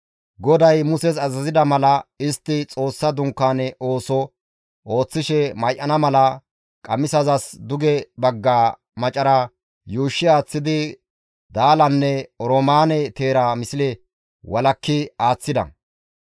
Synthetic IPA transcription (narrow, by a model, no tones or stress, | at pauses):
ɡɔd̪ɐjmʊsɛsɐzɐzɪd̪ɐmɐlɐɪst̪ːɪt͡sʼo̞ːsːɐd̪ʊŋkːaːnɛo̞ːsɔ | o̞ːt͡sːɪʃɛmɐjʔɐnɐmɐlɐ | kʼɐmɪsɐzɐsd̪ʊɡɛbɐɡːaː | mɐt͡ʃʼɐɾɐ | juːʃːɪaːt͡sːɪd̪ɪ | d̪aːlɐnːɛɔɾɔmaːnɛt̪e̞ːɾamɪsɪlɛ | wɐlɐkːɪaːt͡sːɪd̪ɐ̰